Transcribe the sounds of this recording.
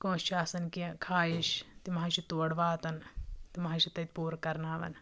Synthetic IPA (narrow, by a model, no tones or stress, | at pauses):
kõːt͡ʃaːsɐnkikʰaːjiʃt̪imɐɦaʃit̪uːɐɽʋaːt̪ɐnt̪imɐɦaʃit̪ɐt̪̚puːɾkɐɾnaːʋɐ̰n